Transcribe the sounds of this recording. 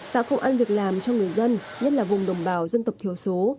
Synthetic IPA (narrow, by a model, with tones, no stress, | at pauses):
k̪a̰ː˧˥xə˧wŋ͡mʔaː˧nvi˨˩ək̚laː˨˩mt͡ɕɔ˧wŋɨ˨˩əjzə˧n | ɲə˦˥t̚laː˨˩vʊ˨˩ŋ͡mɗə˨˩wŋ͡mɓaː˨˩˦wzə˧nt̪ə˨˩wk͡p̚t̪i˨˧˩əwso˨˦